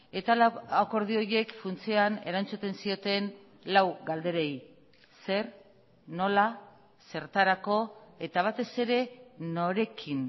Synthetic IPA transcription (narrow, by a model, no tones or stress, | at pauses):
e̞t̪alako̞ɾðio̞ɾie̞kfunt͡siane̞ɾant͡sut̪e̞nsio̞t̪e̞n | lawɡald̪e̞ɾej | se̞ɾ | no̞la | se̞ɾt̪aɾako̞e̞t̪aβ̞at̪e̞se̞ɾe̞no̞ɾe̞kʰin